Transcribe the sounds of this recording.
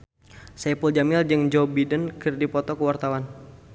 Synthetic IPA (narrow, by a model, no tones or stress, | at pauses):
sɛpuld͡ʒamɪld͡ʒɨŋd͡ʒɔbidənkɨrdipɔt̪ɔkəwart̪awan